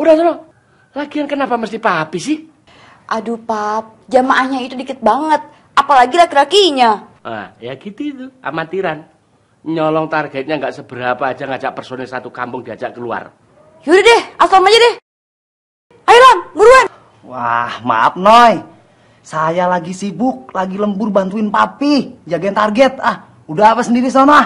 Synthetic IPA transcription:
udaht̪ɔnɔ | lakiankənapaməst̪ihpapisɪh | ʔadupap̚d͡ʒamaʔahɲait̪udikɪt̪̚baŋət̪̚ | apalaɡiɾakiɾakiɲaʔa̰jakit̪uit̪ua̰mat̪iɾan | ɲɔlɔŋt̪arɡɛt̪̚ɲaŋɡaʔsəbəɾapaːd͡ʒaŋat͡ʃaʔpərsonɛlsat̪ukambʊŋdiat͡ʃaʔkəlua̰r | juɾidɛhaslamaɲadɛh | ajilanmuɾuan | wa̰hma̰ap̚nɔj | sajalaɡisibʊk̚laɡiləmbʊrbant̪uɪnpapid͡ʒaɡaɪnt̪arɡɛt̪̚ah | udaapasəndiɾisɔna

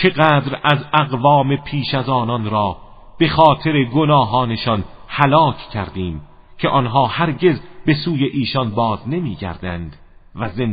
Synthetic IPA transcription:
t͡ʃʰe̞ɣæːd̪ɾæzæɣvɒːme̞pʰiːʃæzɒːnɒnɾɒː | b̥e̞xɒːt̪ʰe̞ɾe̞ɡonɒːɦɒːneʃɒnhælɒːkʰcʰæɾd̪iːm | cʰe̞ʔɒnɦɒːhæɾɟe̞zbe̞suːje̞ʔiːʃɒnbɒːzne̞miːɡæ̰ɾd̪ænd̪̥ | væzen

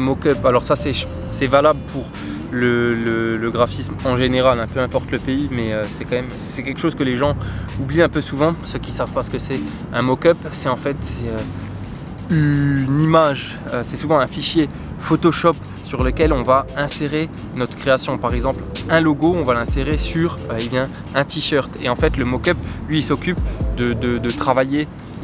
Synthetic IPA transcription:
mokœpalɔʁsasɛ | sɛvalabləpʰuʁ | lələləɡʁafismɑ̃ʒeneʁalɛ̃pøɛ̃pɔʁt̪ləpeimɛøsɛkɑ̃mɛm | sɛkʲɛlkʃozkəleʒɑ̃ubliɛ̃pøsuvɑ̃søkʲisavpaʁsə̥kəsɛ | ɛ̃mokœpsɛɑ̃fɛt̪sɛø | ynimaʒ | øsɛsuvɑ̃ɛ̃fiʃje | fot̪ɔʃɔp | syʁləkʲɛlɔ̃vaɛ̃seʁe | nɔt̪χə̥kχeasjɔ̃paʁɛɡzɑ̃plɛ̃loɡoɔ̃valɛ̃seʁesyʁøebjɛ̃ | ɛ̃t̪iʃœʁt̪eɑ̃fɛt̪ləmokʲœplɥiːlsɔkʲypd̪əd̪əd̪ət̪χavaje

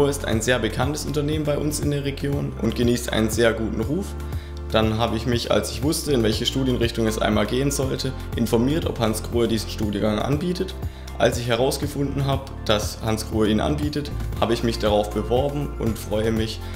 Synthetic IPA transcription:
uɐɪsta̰ɪnzeːɐbəkʰantəsʔʊntɐneːmənbaɪʔʊnsɪ̰ndeːɐʁ̞eɡjoːnʔʊ̰ntɡ̥əniːstʔa̰ɪnənzeːɐɡuːtn̩ʁuːf | d̥anɦaːbəɪçmɪça̰lsɪçv̥ʊstəɪnvɛlçəʃtuːdjənʁɪçtʊŋɛsʔa̰ɪnmaːlɡeːənzɔltʰə | ʔɪnfɔɐmiːɐtɔ̰phansɡ̥ʁ̥uːɐdiːzn̩ʃtuːdjəɡaŋʔa̰nbiːtət | ʔa̰lsɪçɦɛʁ̞aʊsɡ̥əfʊndn̩ɦaːbəd̥ashanskʁ̥uːɐiːnʔa̰nbiːtətha̰ːbəɪçmɪçd̥aʁaʊfb̥əvɔɐbm̩ʊ̰ntfʁ̥ɔʏəmɪç

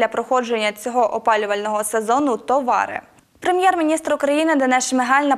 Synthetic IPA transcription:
lʲɐpɾɔxɔd͡ʒe̞nʲːɐt͡sʲɔɦɔʔɔpɑlʲʊʋɐlʲnɔɦɔsezɔnʊt̪ɔʋɑ̰ɾɪ̰ | pɾemʲjɛrmʲinʲist̪ɾʊkɾɐjinɪd̪ɐnɛʃmeɦɑlʲnɐ

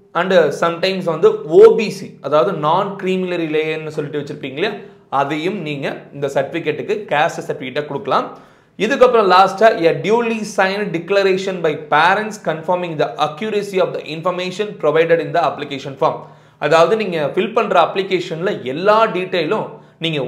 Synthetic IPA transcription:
ɐɳɖsɐmʈɐɪ̃ms̬ʋɐnd̪ɯoːbiːsiɐðaːʋɐðɯnaːnkɾiːmɪlɐɾileːɛnːɯsɔlːɪʈːɯʋɐt͡ʃːɪɾɯpːiːŋɡɐlɐjaː | ɐðɐjɯmniːŋɡɐɪnd̪ɐsɐɾʈɪfɪkːɛʈːɯkːɯkaːsʈsɐɾʈɪfɪkːɛʈːeːkɔɽɯkːɐlãːm | ɪðɯkːɐpːɐɾɔ̃laːsʈaːɐɖjuːlisɐɪnɖɪklɐɾeːʂɐnbɐɪpeːɾɛ̃ɳʈskɐnfɐːɾmɪ̃ŋd̪ɐʔɐkjuːɾɐsiɔːfd̪ɐʔɪnfɐɾmeːʂɐnpɾɔʋɐɪɖɐɽɪnd̪ɐɐplɪkeːʂɐnfaːɾm | ʔɐðaːʋɐðɯniːŋɡɐfɪlpɐɳɾɐɐplɪkeːʂɐnlɐɛlːaːɖiːʈːeːlʊ̃ | niːŋɡɐ

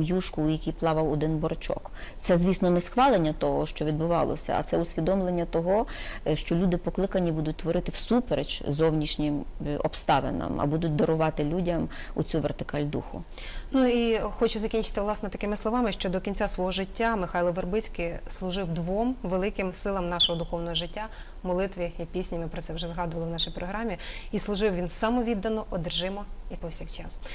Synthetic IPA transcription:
mjuʃkʊːjɐkʲijplˠɑʋɐwɔd̪ɪnbɔɾɐt͡ʃɔ̰kt̪sɛzʲʋʲisnɔnɛsxʋɑlˠenʲːɐt̪ɔɦɔʃt͡ʃɔʋʲid̪bʊʋɑ̰lˠɔ̰sʲɐ̰ɐ̰tsɛʊsʲʋʲid̪ɔmlˠenʲːɐt̪ɔɦɔʃt͡ʃɔlʲud̪ɪpɔklˠɪkɐnʲːibud̪ʊt̚ʲt̪ʋɔɾɪt̪ɪwsupeɾḛt͡ʃzɔwnʲiʃnʲɪmɔpst̪ɑʋḛnɐ̰mɐ̰bud̪ʊt̚ʲd̪ɐɾʊʋɑt̪ɪlʲudʲɐmut͡sʲuʋert̪ɪ̥kɑlʲd̪ṵxʊ̰ | nuixɔt͡ʃʊzɐkʲinʲt͡ʃɪ̥t̪ɪwlˠɑsnɔt̪ɐkɪmɪslˠɔʋɑmɪʃt͡ʃɔd̪ɔkʲinʲt͡sʲasʋɔɦɔʒɪtʲːamɪxɑjlˠɔʋerbɪt͡sʲkɪslˠʊʒɪwd̪ʋɔmʋelˠɪkɪmsɪlˠɐmnɑʃɔɦɔd̪ʊxɔwnɔɦɔʒɪtʲːa | mɔlˠɪt̪ʋʲiipʲisʲnʲimɪpɾɔt̪sɛwʒɛzɦɑd̪ʊʋɐlˠɪwnɑʃijpɾɔɦɾɑmʲiislˠʊʒɪwʋʲinsɐmɔʋʲid̪ːɐnɔʔɔd̪rʒɪmɔipɔwsʲixt͡ʃɑs

